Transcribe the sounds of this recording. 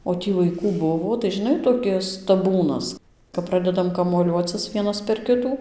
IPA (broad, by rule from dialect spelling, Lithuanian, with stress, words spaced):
oː ˈtʲiː ʋɐɪˈkuː ˈbʊʋoː tɐɪ ʒʲɪˈnɐɪ toːˈkʲɪs tɐˈbuːnɐs kɐp ˈprɑːdʲɛdɐm kɐmuɔˈlʲuɔt͡sʲɪs ˈʋʲiɛnɐs pʲɛr ˈkʲɪtuː